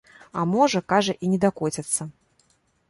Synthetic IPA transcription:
ɐmɔʐɐkaʐɐʔinʲɛd̪akɔt͡sʲɐt̪sːɐ

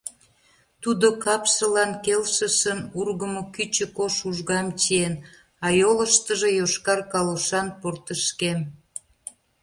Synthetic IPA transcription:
t̪ud̪okɑpʃə̆lɑnkelʃə̆ʃənurɣəmokyt͡ɕə̆koʃuʒɣɑmt͡ɕien | ɑjoləʃt̪əʒejoʃkɑrkɑloʃɑnport̪əʃkem

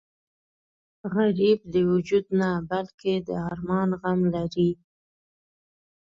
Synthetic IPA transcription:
ɣaɾib̚d̪əwʊd͡ʒud̪nabalked̪əɑɾmɑnɣamlaɾi

